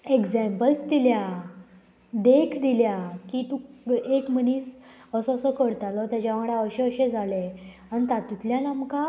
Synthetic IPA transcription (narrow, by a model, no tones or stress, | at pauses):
eɡd͡zɛ̃mpəlst̪ilja | d̪ekʰd̪iljakit̪uekməniːsəsɔsɔkəɽt̪alɔt̪jat͡ɕaʋaɡɽjaəɕeəɕẽd͡zʱale | anit̪at̪it̪ljanamka